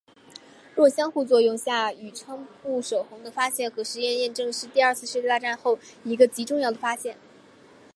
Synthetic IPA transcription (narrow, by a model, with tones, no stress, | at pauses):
ɻwɔ˥˩ɕjɑ˥ŋxu˥˧t͡swɔ˥˧jʊ˥˧ŋɕja˥˩y˨˩ʈ͡ʂʰɤ˥ŋpu˥˩ʂo˨˩ʊxʊ˧˥ŋd̪ə˧fa˥ɕjɛ˥˩nxɤ˧˥ʂɻ̩˧˥jɛ˥˧njɛ˥˧nʈ͡ʂɤ˥˧ŋʂɻ̩˥˧t̪i˥˧ɐ˞˥˧t͡sʰɹ̩˥˧ʂɻ̩˥˧˥t̪a˥˧ʈ͡ʂa˥˧nxo˥˩ʊi˧˥ɡə˧t͡ɕi˧˥ʈ͡ʂʊ˥˧ŋjɑ˥˩ʊd̪ə˩fa˥ɕjɛ˥˩n